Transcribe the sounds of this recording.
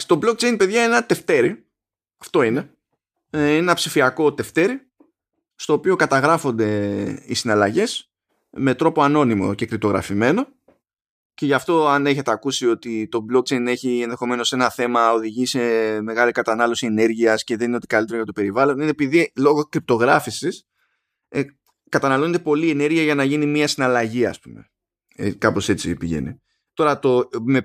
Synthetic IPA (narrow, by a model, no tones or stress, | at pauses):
st̪o̞blok̚t͡ʃejnpeðʝɐenenɐt̪e̞ft̪e̞ɾi | ɐft̪o̞ine̞ | inenɐpsifiɐko̞t̪e̞ft̪e̞ɾi | st̪o̞ːpio̞kɐt̪ɐɣɾɐfo̞nd̪e̞isinɐlɐʝe̞s | me̞t̪ɾo̞po̞ɐno̞nimo̞̰ce̞kɾip̚t̪o̞ɣɾɐ̰fime̞no̞ | ce̞ʝɐft̪o̞ɐne̞çet̪eɐkusio̞t̪it̪o̞blo̞k̚t͡ʃe̞jne̞çienðe̞xo̞me̞no̞se̞nɐθe̞mɐo̞ðiʝise̞me̞ɣɐlikɐt̪ɐnɐlo̞sie̞ne̞ɾʝiɐsce̞ðe̞nineot̪ikalit̪eɾoʝɐt̪ope̞ɾivɐlo̞ninepiðilo̞ɣokɾip̚t̪o̞ɣɾɐfisis | kɐt̪ɐnɐlo̞net̪e̞po̞lie̞ne̞ɾʝiɐʝɐnɐʝinimiɐsinɐlɐʝiɐ̰spume̞̰ | ekɐpo̞se̞t͡sipiʝḛnḭ | t̪o̞ɾɐt̪o̞me